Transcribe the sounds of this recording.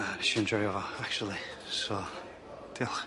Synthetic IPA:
əʃiɛ̃nd͡ʒɔɪɔvəak̚t͡ʃuəl̩ˠi | soː | d̥ilˠ

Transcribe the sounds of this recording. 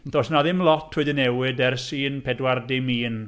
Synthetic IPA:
nθɔsnaðɪmlˠɔtʰʊdɪnɛwɪdɛrsiːnpʰɛdwardɪmiːn

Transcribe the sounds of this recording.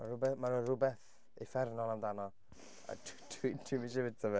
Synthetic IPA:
marʊbɛmaɾurʊbɛθ | ifɛrnɔlˠandanɔ | a̰tʰtʰwitʰwiminʃɪvɪ̥tʰɔvɛ

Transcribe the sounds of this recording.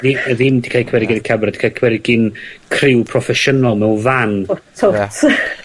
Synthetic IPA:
ðiəðɪndikʰajkʰwɛɾɪɡɪnkʰabrdi̥kʰajkʰwɛɾɪɡɪnkʰrɪwpʰrɔfɛʃənɔlˠmɛwvanʰot

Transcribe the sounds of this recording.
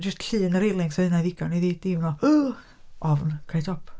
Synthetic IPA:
d͡ʒəstɬɨːnəɾejlˠɪŋsɔnaðiɡ̥ɔniðiːdivnɔ | ʔɔvnkʰajtʰɔpʰ

